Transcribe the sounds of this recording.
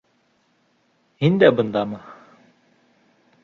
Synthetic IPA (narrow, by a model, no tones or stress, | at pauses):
ɦind̪ɛbənd̪aːma